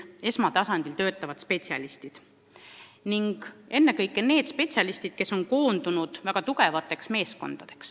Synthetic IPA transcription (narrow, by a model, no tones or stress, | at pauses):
e̞smɑt̪ɑsɑnd̪̥ilt̪ø̞ːt̪ːˑɑvɑd̪̥spe̞tsiɑ̰list̪id̪̥ | niŋɡ̥e̞nːekɤjkːˑene̞ːd̪spe̞t̪sʲɑlist̪id̪̥̚ke̞sːo̞ŋko̞ːnd̪unud̪̥væɡ̥ɑt̪uɡe̞vɑt̪ːˑe̞ksme̞ːsko̞̰nd̪̥ɑd̪̥e̞̥ks